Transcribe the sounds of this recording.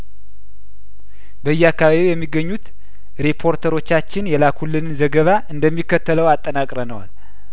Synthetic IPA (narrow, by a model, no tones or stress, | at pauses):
bəɨjːɛakːaβaβijɛmːiɡːəɲːut̪ | ɾepʰo̞ɾt̪ʰəɾo̞t͡ʃːat͡ʃːɪnjɛlakʰulːɨnɨnzəɡəβaʔɨnd̪əmːikːət̪ːələwat̪ʼːənakʼɾənəwa̰l